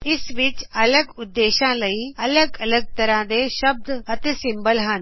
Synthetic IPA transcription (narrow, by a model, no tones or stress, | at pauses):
ɪsʋɪt͡ʃɐləɡʊd̪ːeːʃãlɐiɐləɡɐləɡ̚t̪əɾãd̪eʃəb̚d̪ɐt̪esɪ̃mbəlɦən